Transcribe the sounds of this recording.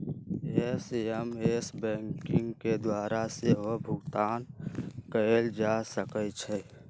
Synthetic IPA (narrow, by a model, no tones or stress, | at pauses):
esəmesbɛ̃ːŋkɪ̃ŋɡked̪waːɾaseɦobʱʊɡt̪aːnkəeld͡ʒasəkət͡ʃʰɛ